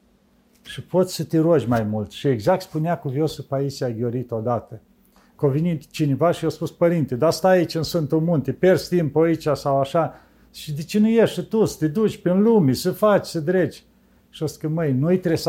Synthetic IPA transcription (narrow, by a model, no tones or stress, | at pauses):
ʃipo̞t̪sʲsət̪eɾod͡ʒʲmajmult̪ʃieɡzak̚t̪spuneakuvjosəpaisiaɡʲo̞ɾit̪od̪at̪ə | kovinit͡ʃinevaʃijospuspəɾint̪ed̪ast̪aːit͡ʃʲɨnsɨnt̪omunt̪eperst̪impoit͡ʃasawaʃa | ʃid̪et͡ʃenujeʃsət̪usə̥t̪ed̪ut͡ʃʲpinlumesəfat͡ʃʲsəd̪ɾet͡ʃʲ | ʃiost̪kəməjnujt̪ɾes